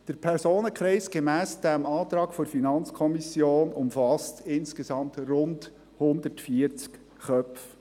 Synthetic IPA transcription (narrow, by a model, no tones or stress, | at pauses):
d̥əɾpʰɛɾsoːnəkʰɾɛɪsɡ̥emæːsd̥ɛmɑːt̪ɾɑːɡ̥foɾfinɑnt͡skʰɔmisjoːnʊmfɑstɪnskezɑmtrʊnd | hʊnd̪əɾtfiəɾt͡sk | χœpf